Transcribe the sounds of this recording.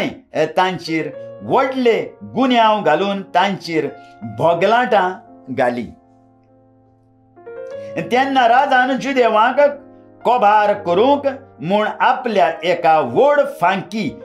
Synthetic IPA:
it̪ãɲt͡ɕiːɾʋɔɽleɡunjawɡʱaluːnt̪ãɲt͡ɕiːɾbʱɔɡlãʈãɡʱalḭ | t̪ɛ̃nːaɾad͡zand͡ʑud̪eʋãk | kɔbʱaɾkəɾũkmuːɳapljaʔekaʋoɽfãŋki

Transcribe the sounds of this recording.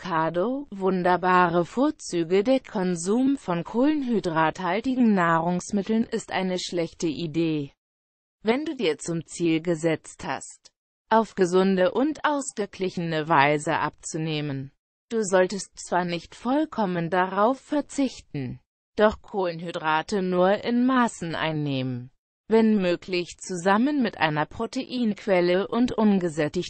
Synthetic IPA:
kʰaːdovʊndɐbaːʁəfoːɐt͡syːɡədeːɐkʰɔnzuːmfɔnkʰoːlənɦydʁaːthaltɪɡŋ̩naːʁʊŋsmɪtl̩nʔɪstʔa̰ɪnəʃlɛçtəʔideː | vɛnduːdiːɐt͡sʊmt͡siːlɡəzɛt͡stha̰st | ʔaʊfɡ̥əzʊndəʔʊntʔaʊsɡ̥əɡlɪçənəvaɪzə̰ʔap̚t͡suneːmən | d̥uːzɔltəst͡sv̥aːɐnɪçtfɔlkʰɔməndaʁaʊfːɛɐt͡sɪçtn̩ | d̥ɔχkʰoːlənɦydʁaːtənuːɐʔɪnmaːsn̩ʔa̰ɪnːeːmən | vɛnmøːklɪçt͡suzamənmɪtʔa̰ɪnɐpʁ̥oteʔiːnəkʰv̥ɛləʔʊntʔʊnɡəzɛtɪç

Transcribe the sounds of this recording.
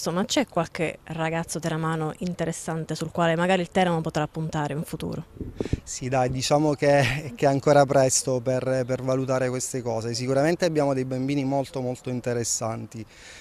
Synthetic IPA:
omat͡ʃɛkːwalk̟eraɡat̪sːot̪eɾamaːnoʔint̪eɾesːant̪esulkwaːlemaɡaːɾiːlt̪ɛːɾamopot̪ɾapːunt̪aːɾeiɱfut̪ṵːɾosid̪ajd̪it͡ʃaːmok̟ekɛaŋkoːɾapɾɛst̪operpervalut̪aːɾekwest̪ekɔːzes̬ikuɾament̪eabːjaːmod̪ejbambiːnimolt̪omolt̪oint̪eɾesːant̪i

